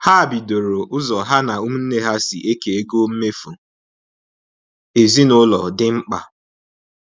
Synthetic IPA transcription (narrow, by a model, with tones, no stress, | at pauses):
ha˦˨bi˨do˨ɾo˨ʔʊ˦zɔ˨ɦa˦na˨u˦m̩˦n̩˦ne˦ɦa˦sɪ̰˨ʔe˦ke˨e˦ɡo˦m̩˦me˦fu˨ | e˨zi˦nʊ˦lɔ̰˨dɪ˦ŋ͡m̩˦k͡pa̰˨